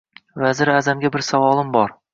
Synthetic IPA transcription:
vazɪɾazamɡʲabɪɾsavɒlˠɪmbɒɾ

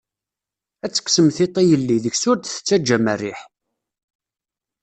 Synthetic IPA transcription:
æt͡sːə̥ksəmθɪt̪ˤːejəlːiðəçsʊɾd̪θə̥t͡sːæd͡ʒːæmærːiħ

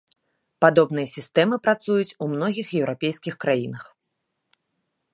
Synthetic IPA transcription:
pad̪ɔbn̪ɨjɐsʲist̪ɛmɨpɾat̪sujut͡sʲumn̪ɔɣʲixjɛwɾʔapʲejskʲixkɾajinɐx

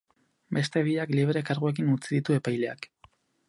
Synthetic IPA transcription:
be̞st̪e̞βiakliβ̞ɾe̞kaɾɣue̞k̬inut͡siðit̪ue̞pajle̞a̰k

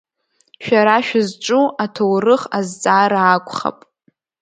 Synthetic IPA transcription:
ʃᶣaɾaʃᶣazʈ͡ʂʼuʔatʰowrɨχazd͡zʼaːɾaːkʷʼχa̰pʼ

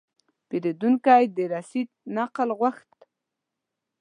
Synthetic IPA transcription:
peɾid̪unkajd̪əɾasit̪̚naqəlɣwaxt̪

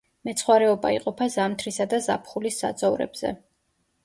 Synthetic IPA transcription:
mɛt̪sʰχwaɾɛɔba̰ḭqʼɔpʰazamt̪ʰɾisad̪azapʰχulisːa̰d̪zɔvɾɛ̰bz̥ɛ̰

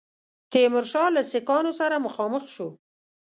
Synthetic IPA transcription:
t̪emʊɾʃɑlasɪkɑnosaɾaməxɑməxʃu

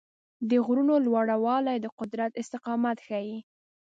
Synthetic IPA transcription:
d̪əɣɾunolwaɽawɑlajd̪əqʊd̪ɾat̪ɪst̪ɪqɑmat̪xaji

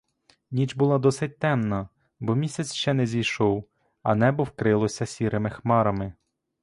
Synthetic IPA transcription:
nʲit͡ʃbʊlˠɑd̪ɔsɪt̚ʲt̪ɛmnɐ | bɔmʲisʲɐt͡sʲʃt͡ʃɛnɛzʲijʃɔw | ɐ̰nɛbɔwkɾɪlˠɔsʲɐsʲiɾʔɪmɪxmɑɾɐmɪ

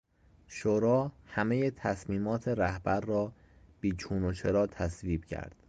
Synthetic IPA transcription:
ʃoɾɒːhæme̞jet̪ʰæsmiːmɒːt̪ʰeɾæhbæɾːɒː | b̥iːt͡ʃʰuːnot͡ʃʰe̞ɾɒːt̪ʰæsviːb̥̚cʰæ̰ɾd̪̥

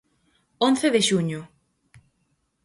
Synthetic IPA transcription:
onθeðeʃuɲʊ

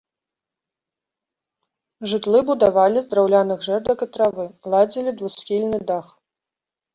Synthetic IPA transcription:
ʐɨt̪lˠɨbud̪avalʲizd̪ɾawlʲanɨɣʐɛrd̪ɐkɐt̪ɾavɨlˠad͡zʲilʲid̪vusxʲilʲnɨd̪ax

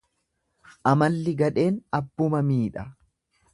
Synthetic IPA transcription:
ʔɐmɐlːɪɡɐᶑe̞ːnɐbːʊmɐmiːᶑɐ

